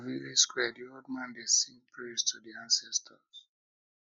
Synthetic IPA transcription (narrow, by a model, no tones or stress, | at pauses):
viliskwɛdiod̚mãndesĩpʰɹistʰudiãnsɛstʰəz̥